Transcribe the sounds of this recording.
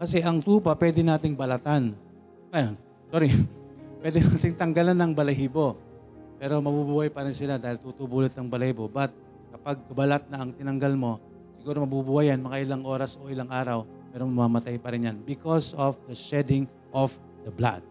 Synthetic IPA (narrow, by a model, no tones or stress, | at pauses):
kɐsɛʔɐŋt̪uːpɐpwɛːd̪ɛnaːt̪ɪŋbɐlat̪an | ɐjan | soɾipwɛd̪ɛnat̪ɪŋt̪ɐŋɡɐlanːɐŋbɐlɐɦiːbo̞ | pɛːɾo̞mɐbubuːhajpɐɾɪnsɪlad̪aːhɪlt̪uːt̪ubuːlɪt̪̚ːɐŋbɐlɐhibo̞bɐt̪̚ | kɐpaɡ̚kɐbɐlat̪̚nɐɐŋt̪ɪnɐŋɡalmo̞ | sɪɡuːɾomɐbubuːhajanmɐŋaʔɪlaŋʔo̞ːɾɐsʔo̞ʔɪlaŋʔaːɾɐw | mɛːɾoŋmɐmamɐt̪ajpɐɾɪnjanbɪkosofd̪ɐʃɛd̪ɪŋ | ʔof | d̪ɐbla̰d̪̥̚